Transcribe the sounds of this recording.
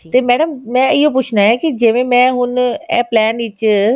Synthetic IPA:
t̪eːmɛːɖəmmɛ̃ːɪop̬ʊt͡ʃʰnaɦɛkid͡ʒɪʋẽmɛ̃ːɦʊnɛ̰̃ːplɛːnʋɪt͡ʃ

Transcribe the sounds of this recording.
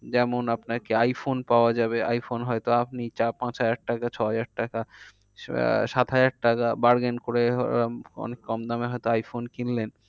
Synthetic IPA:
d͡ʑɛmonapnaɾkeajfonpaoad͡ʑabea̰jfonɦɔet̪oap̚nit͡ɕapãt͡ɕɦad͡ʑaɾʈakat͡ɕʰɔɦad͡ʑaɾʈaka | ʃat̪ɦad͡ʑaɾʈakabaɾɡenkoɾe | ɔ̰nekːɔmd̪ameɦɔjt̪oajfonkillen

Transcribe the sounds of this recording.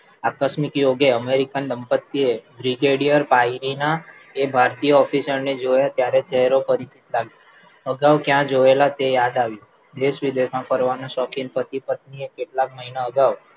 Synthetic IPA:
akəʃmɪkjoɡeəmeɾikand̪əmpət̪ːiebɾiɡeɽijəɾpaiɾina | ebʱaɾt̪ijəɔfisəɾned͡ʒojat̪jaɾet͡ʃɛɦɾopəɾit͡ʃit̪laʋjo | əɡaʋkjãd͡ʒoelat̪ejad̪aʋjũ | d̪eʃʋid̪emãfəɾʋanõʃɔkinpət̪ipət̪̚niekeʈlak̚məɦinaəɡaʋ

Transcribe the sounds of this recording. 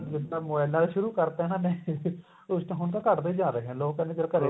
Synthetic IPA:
d͡ʒɪd̪aːmobɛːlnaːlʃʊɾuːkəɾt̪eɦɛːnãːnẽː | ʊst͡ʃãɦʊnkakəʈd̪eiːd͡ʒaːɾəːɦɛ̃ːloːɡkɛ̃ːnd̪eːd͡ʒəɽakəɾeː

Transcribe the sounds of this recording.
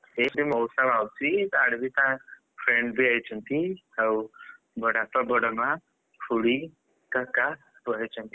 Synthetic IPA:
t̪et̪imɔwsaʋawt͡sit̪aɽbit̪ã | fɾeɳɖbʱiajt͡ɕənt̪ihəw | bəɽat̪əbəɽəma | fʰuɽi | kaka | əəjt͡ɕə̃nt̪i̥

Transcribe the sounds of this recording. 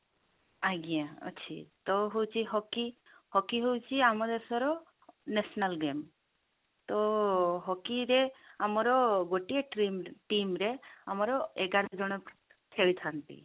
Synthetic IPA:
aɡijãɔ̰t͡ʃʰḭt̪ɔɦuwt͡ʃʰiɦɔki | hɔkiɦuwt͡ʃʰiamɔd̪esɔɾɔ | nesnalɡem | t̪ɔɦɔkiɾeamɔɾɔɡoʈieʈʈimɾeamɔɾɔeɡaɾd͡ʒɔɽ̃ɔ | t̪ʰewt̪ʰant̪ḭ

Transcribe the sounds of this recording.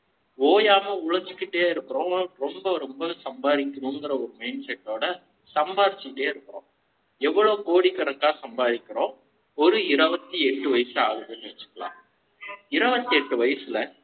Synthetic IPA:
oːjaːmɐʊɭɐɾd͡ʒɪkːɪʈːeːɪɾɯkːɯɾõːɾɔmbɐɾɔmbɐsɐmbaːðɪkːɪnũŋɡɪɾɐɔɾɯmɐɪnsɛʈːoːɽɐ | sɐmbaːɾt͡ʃːɪkɪʈːeːɪɾɯkːɯɾõ̰ː | ɛʋːɐɭoːkoːɽikːɐɽɐkːaːsɐmbaːðɪkʲːɪɾõː | ɔɾɯɪɾɐʋɐt̪ːiɛʈːɯʋɐjɐsɯaːɣɐðɯnːɯʋɐt͡ʃːɯ̥kːɐɭã̰ː | ɪɾɐʋɐt̪ːiɛʈːɯʋɐjɐsɪlɐ

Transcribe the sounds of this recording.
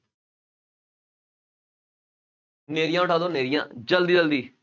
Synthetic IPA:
neːɾɪjãːʊʈʰaːd̪õːneːɾɪjã̰ːd͡ʒəld̪iːd͡ʒəld̪iː

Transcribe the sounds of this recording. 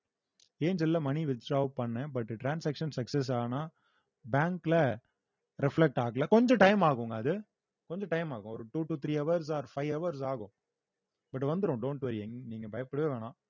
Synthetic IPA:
eːɲd͡ʒɛlːɐmɐniʋɪd͡ʒaːʋpɐɳːɛ̃bɐʈːʈɾaːnsaːkʂɐnsɐksɛs̬aːnaː | baːŋklɐ | ɾɪflɛk̚ʈaːɣɐlɐkɔɲd͡ʒɔ̃ʈɐɪmaːɣʊ̃ŋɡɐːðɯ | kɔɲd͡ʒɔ̃ʈɐɪmaːɣʊ̃ɔɾɯʈuːʈut̪ʰɾiːɐʋɐɾs̬aːɾfɐɪʋɐʋɐɾs̬aːɣʊ̃ | bɐʈːʋɐnd̪ɯɾʊ̃ɖoːɳʈʋɐɾiɛŋniːŋɡɐbɐjɐpːɐɽɯʋeːʋeːnãː

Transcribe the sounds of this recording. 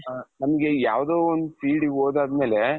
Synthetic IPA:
nɐmɐɡe̞jaːʋd̪oːond̪upiːɖiɡoːd̪aːd̪me̞ːle

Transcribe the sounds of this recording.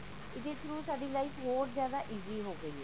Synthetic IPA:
ɪd̪eːt̪ʰɾuːsaːɖiːlaiːfʰɦoːɾzjaːd̪aːʔiːziːɦoːɡəiɛː

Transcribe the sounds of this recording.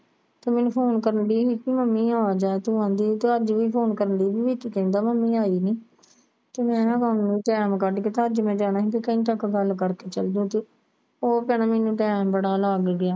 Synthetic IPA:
t̪eːmɛnũpʰoːnkəɾəɳɖiːɦiːkiːməmːiːaːaːd͡ʒaːet̪uːãːd̪iːt̪eəd͡ʒʋiːpʰoːnkəɾəɳɖiːbiːʋiːkikə̃ːnd̪aːməmːĩːaːiːniː | t̪eːmɛ̃ːɡənniːʈɛːmkəɾɖkeːt̪ːəd͡ʒmɛ̃ːd͡ʒaːnaːɦĩːkikəĩːʈəkɡəlkəɾkeːt͡ʃəld̪ũːt̪eː | oːpɛːnaːmɛ̃ːnũːʈɛːmbəɽaːlaɡɡɪaː

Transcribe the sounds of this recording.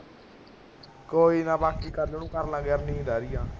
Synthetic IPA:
koːiːnãːbaːkiːkəɾleːnũːkəɾnãːɡɛːɾnĩːd̪aːɾɪjãː

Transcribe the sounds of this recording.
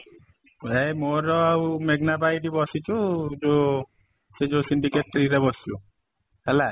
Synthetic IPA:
ejmoɾɔawmeɡnabajʈibɔsit͡ʃʰud͡ʒo | sed͡ʒosiɳɖikeʈːɾiɾebɔsi̥u | hɛla

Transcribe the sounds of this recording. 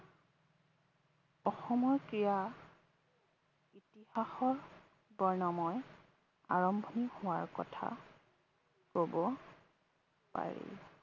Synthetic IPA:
ɔxɔmɔɹkija | itihaxɔɹ | bɔɹnɔmɔj | a̰ɹɔmbʱɔnihʊwaɹkɔtʰa̰ | kobɔ | pa̰ɹḛ

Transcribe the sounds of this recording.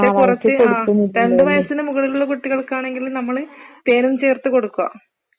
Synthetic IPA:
ekurɐt͡ɕːɨaːkːunːɾendɖɨʋɐjɐsinɨmuɣɐɭiluɭːɐkuʈːiɣɐɭkaːɳe̞ŋɡilnɐmːɐɭp̪eːnumt͡ɕe̞ːrt̪ːɨko̞ɽukːuɐ̰

